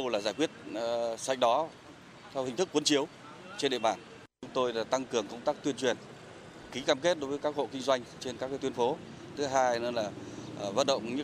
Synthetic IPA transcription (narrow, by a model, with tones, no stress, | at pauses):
ə˧wlaː˨˩zaː˧˩jkwi˦˥ət̚sa̰˧˨jŋ̟̚ɗɔ˨˦ | t̪ʰɛ˧whï˨˩ŋ̟t̪ɨ˦˥kːwə˨˦nt͡ɕi˨˦əw | t͡ɕe˧nɗḛ˧˨ɓaː˧˩n | t͡ɕʊ˨˦ŋ͡mt̪o˧jlaː˨˩t̪a˧ŋkɨ˨˩əŋkə˧wŋ͡mt̪aː˦˥k̚t̪wi˧ənt͡ɕwi˨˩ən | ki˨˦kaː˧mke˦˥t̚ɗo˨˦vəː˨˦kaː˦˥k̚ho̰˧˨kï˧ŋ̟zwa˧jŋ̟t͡ɕe˧nkaː˦˥k̚aː˨˦t̪wi˧ənfo˨˦ | t̪ʰɨ˨˦ɦaː˧jn˨˧nlaː˨˩˨və̰˧˨nɗə̰˧˨wŋ͡mɲɨ˧˥